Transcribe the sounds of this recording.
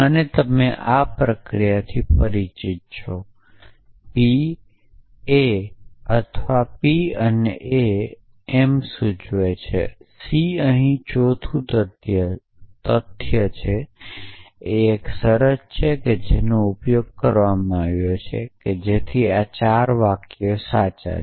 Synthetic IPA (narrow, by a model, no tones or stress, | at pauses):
ənet̪əmeʔapɾəkɾijat̪ʰipəɾit͡ʃit̪̚t͡ʃʰo | pi | eət̪ʰʋapiənḛʔeː | msũd͡ʒoet͡ʃʰḛsiəɦĩt͡ʃot̪ʰut̪ət̪jə | t̪ət̪ʰjət͡ʃʰe | eːksəɾəst͡ʃʰeked͡ʒenoupjoɡ̚kəɾʋamãaʋjot͡ʃʰḛked͡ʒet̪ʰiat͡ʃaɾʋakjosat͡ʃa̰